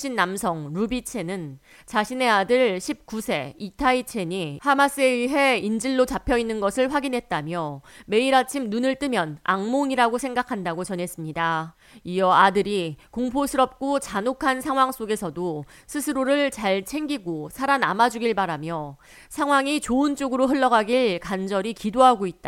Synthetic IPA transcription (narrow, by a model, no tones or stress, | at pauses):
ɕ͈ʰinːamsʰʌŋɾubit͡ɕʰe̞nɯn | t͡ɕaɕʰine̞adɯɭɕʰip̚k͈usʰe̞̰itʰait͡ɕʰe̞ɲihamas͈ɯe̞iɦe̞ind͡ʑiɭːot͡ɕapʰjʌinːɯnɡʌsʰɯɭɸwaɡinɦe̞t̚t͈amjʌme̞iɾat͡ɕʰimnunɯɭt͈ɯmjʌnaŋmoŋiɾaɡosʰe̞ŋɡakʰandaɡot͡ɕʌnɦe̞s͈ɯmɲida | iʌadɯɾikoŋpʰosʰɯɾʌp̚k͈ot͡ɕanokʰansʰaŋɦwaŋs͈oɡe̞sʰʌdo | sʰɯsʰɯɾoɾɯɭt͡ɕaɭt͡ɕʰe̞ŋɡiɡosʰaɾana̰mad͡ʑuɡiɭbaɾamjʌ | sʰaŋɦwaŋit͡ɕoɯnt͡ɕ͈oɡɯɾoɦɯɭːʌɡaɡiɭkand͡ʑʌɾikidoɦaɡoit̚t͈a